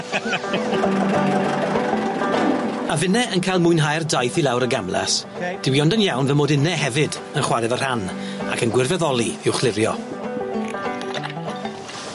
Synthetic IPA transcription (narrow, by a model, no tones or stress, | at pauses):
avɪnɛʔənkʰajlˠmʊɨnɦajrdajθilˠawɾəɡamlˠa̰s | d̥ɪwiɔndənjawnvɛmoːdɪnɛɦɛvɪd | ənχwaɾɛvər̥an | a̰kʰənɡwɪrvɛðɔlˠiɪwχlˠɪɾjɔ̰